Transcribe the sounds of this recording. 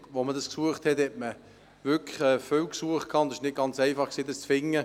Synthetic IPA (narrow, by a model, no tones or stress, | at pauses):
ʋomədɑsksuəχthɛthɛt̚mə | vʏkʰə̥χɛːfʏwksuəχt̚kʰɑːʊntd̥sɪ̥ʃnɪt̚ɡ̥ɑnt͡sɛɪfɑχksiːdəst͡sfɪŋːə